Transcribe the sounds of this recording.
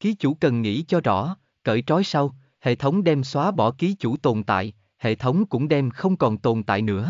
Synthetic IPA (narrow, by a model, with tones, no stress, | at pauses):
ki˨˦t͡ɕu˧˩kə˨˩nŋḭ˧˥t͡ɕɔ˧zɔ̰˧˥ | kə̰ː˧˨˩jt͡ɕɔ˨˦jsa˧w | hḛ˧˨t̪ʰə˨˦wŋ͡mɗɛ˧mswaː˨˦ɓɔ˧˩ki˨˦t͡ɕu˧˩t̪o˨˩nt̪a̰ː˧˨j | hḛ˧˨t̪ʰə˨˦wŋ͡mkʊ̰˧˥ŋ͡mɗɛ˧mxə˧wŋ͡mkɔ˨˩nt̪o˨˩nt̪a̰ː˧˨jnɨ̰˧˥ə